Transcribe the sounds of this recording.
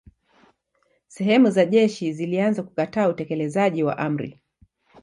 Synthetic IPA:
sɛɦɛmuzaʄɛʃizilianzaku̥kataːutɛkɛlɛzaʄiwa̰ʔam̩ɾḭ

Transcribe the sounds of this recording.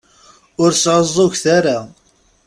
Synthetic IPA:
ʊɾsʕəzˤːoçθaɾa

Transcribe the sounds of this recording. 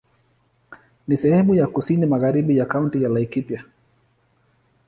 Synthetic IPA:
nisɛhɛmujakusinimaɣaɾiɓijakauntijalajkipja

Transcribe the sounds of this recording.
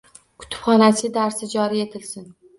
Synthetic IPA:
kʰʊ̥t̪ʰʊ̥pχɒnasɪd̪aɾsɪd͡ʒɒɾie̞t̪ʰɪlsɪn

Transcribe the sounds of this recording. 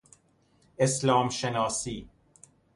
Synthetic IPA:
ɪslãːmʃɛnaːsiː

